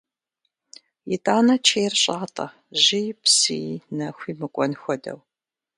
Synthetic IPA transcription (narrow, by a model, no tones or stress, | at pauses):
jɪtʼaːnɐt͡ʃʰeːrɕʼaːtʼɐ̰ | ʑɪjpsijnɐxʷiːmɨkʷʼɔnxʷɔdɐ̰w